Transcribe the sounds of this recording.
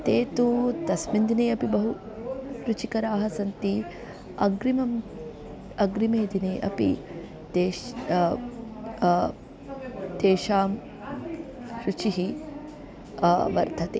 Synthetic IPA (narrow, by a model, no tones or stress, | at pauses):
t̪eːt̪ut̪ɐsmind̪ineːɐpibɐɦu | ɾut͡ʃikɐɾaːɦɐsɐnt̪i | ɐ̰ɡɾimɐm | ɐɡɾimeːd̪ineːʔɐpḭ | t̪eː | t̪eːʃaːm | ɾut͡ʃiɦi | ʋɐɾt̪ɐt̪eː